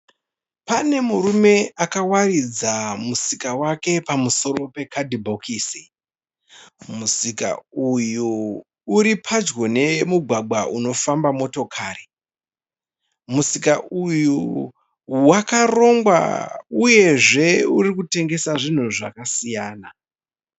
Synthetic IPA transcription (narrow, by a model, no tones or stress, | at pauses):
pane̞muɾume̞akawarid͡zamusikawake̞pamuso̞ro̞pe̞kʰadibʱo̞kʰiːsi | musika̰uju | uɾipʰad͡ʒɡo̞ne̞muɡʱwaɡ͡bwaʔuno̞fambamo̞to̞kʰaːri | musikaʔuju | wakaro̞ŋɡwa̰uje̞ʐe̞uɾikute̞ŋɡe̞saʐin̤uʐa̰kasijaːna